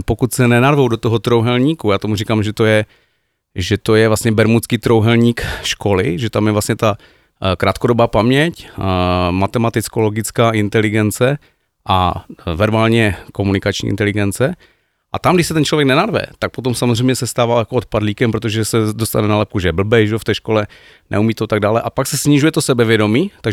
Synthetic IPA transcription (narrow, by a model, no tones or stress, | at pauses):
pokut̪sɛnɛnaɾvowdo̞t̪oɦot̪ɾowɦɛlɲiːkujaːt̪o̞murikaːmʒɛt̪ojɛ | ʒɛt̪o̞jɛvlasɲɛbɛɾmut͡skiːt̪ɾo̞wɦɛlɲiːkʃko̞lɪ̰ʒɛt̪amjɛvlastɲɛt̪a | kɾaːt̪̚kodobaːpamɲɛc | mat̪ɛmat̪ɪt͡skoloɡɪt͡skaːʔɪnt̪ɛlɪɡɛnt͡sɛ | ʔavɛɾbaːlɲɛko̞munɪkat͡ʃɲḭːʔɪ̰nt̪ɛlɪɡɛnt͡sɛ | ʔat̪amɡdɪʃsɛt̪ɛnt͡ʃlovjɛknɛnaɾvɛ̰t̪ak̚pot̪omsamozr̝ɛjmɲɛsɛst̪aːvaːjakoot̪̚padliːkɛmpɾot̪̬oʒɛsɛdost̪anɛnalɛp̚kuʒɛjɛbl̩bɛjʒɛoft̪ɛːʃko̞lɛ | nɛ̰umiːt̪ot̪aɡ̚daːlɛʔapaksɛsɲɪʒujɛt̪osɛbɛvjɛdo̞miːt̪aɡ